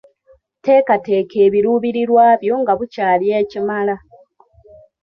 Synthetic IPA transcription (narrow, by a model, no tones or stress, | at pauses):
te̞ːkate̞ːkʰeːβiɾuːβiɾiɾwaːβjo̞ŋɡaβucaːlje̞ːcimala